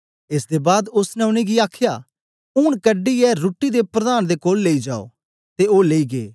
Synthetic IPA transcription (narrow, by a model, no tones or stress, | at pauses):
ɪsd̪ebaːd̪ʊsnɛʊɽ̃ẽɡiaːkʰjaː | ʊɳ̃kəɖiɛɾuːʈːid̪epɾɐd̪aːnd̪ekoːlːeːid͡ʒaːo̰ː | t̪eoːleːiɡḛː